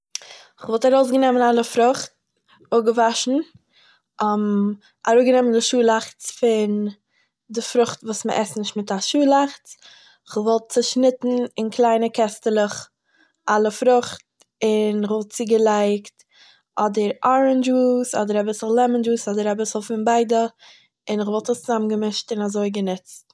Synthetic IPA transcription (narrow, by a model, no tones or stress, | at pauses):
ɪχvɔlˠtaɾoʊs̬ɡənɛmənalˠəfɾʊχt̚ | ʊɡəvaʃn̩ | ɔm | aɾuːɡənɛməndɪʃuːlˠaχt͡sfɪn | dɪfɾʊχtvuːsmə̰ʔɛstnɪʃtmɪtaʃuːlˠaχt͡s | ɪχvɔlˠt̚t͡səʃnɪtn̩ɪnkʰlˠaɪnəkɛstəlˠəχ | ʔalˠəfɾʊχt | ɪnɪχvɔlˠt̚t͡sɪɡəlˠaɪkt | ʔɔdəɾɔɾənd͡ʒuːsɔ̰dəɾabɪsl̩ˠlɛmənd͡ʒuːsɔdəɾabɪsl̩ˠfɪnbaɪdə | ɪnɪχvɔlˠtəst͡sʊzamnɡəmɪʃtɪnazoɪɡənɪt͡st